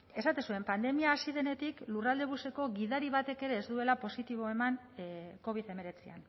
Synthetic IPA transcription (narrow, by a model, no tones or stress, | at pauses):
e̞sat̪esue̞mpand̪e̞miaːsið̞e̞ne̞t̪iklurald̪e̞βuse̞ko̞ɣiðaɾiβat̪e̞ke̞ɾe̞ːzd̪ue̞lapo̞sit̪iβ̞o̞e̞maŋ | ko̞β̞iðe̞me̞ɾe̞t͡sia̰n